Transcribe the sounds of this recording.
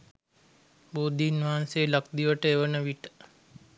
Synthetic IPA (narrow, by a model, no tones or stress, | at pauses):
boːd̪ʱiːnʋaːnseːləkd̪iʋəʈəeʋənəʋiʈə̥